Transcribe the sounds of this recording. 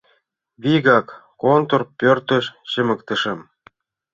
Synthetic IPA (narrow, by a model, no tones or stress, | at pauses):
βiɣɑkː | ont̪orpørt̪ə̆ʃɕə̆mə̆k̚t̪ə̆ʃɤ̆m